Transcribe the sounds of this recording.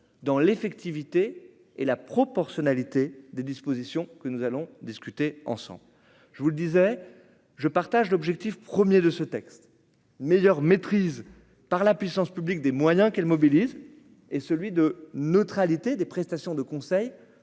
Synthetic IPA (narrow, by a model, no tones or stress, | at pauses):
d̪ɑ̃lefɛkt̪ivit̪e | elapχɔpɔʁsjɔnalit̪ed̪ed̪ispozisjɔ̃kənuzalɔ̃d̪iskʲyt̪eɑ̰̃sɑ̰̃bl | ʒəvuləd̪izɛ | ʒəpaʁt̪aʒlɔbʒɛk̚t̪ifpχəmjed̪əsət̪ɛkst̪ | mejœʁmet̪χiz | paʁlapɥisɑ̃spyblik̚d̪emwajɛ̃kɛlmɔbiliz | esəlɥid̪ənət̪χalit̪ed̪epχɛst̪asjɔ̃d̪əkɔ̃sɛj